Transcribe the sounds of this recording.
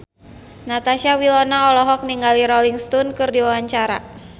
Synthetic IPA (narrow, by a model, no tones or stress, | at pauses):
nat̪asiawilɔnaɔlɔɦɔk̚niŋɡaliɾɔliŋst̪ɔnkɨrdiwawaɲt͡ʃaɾa̰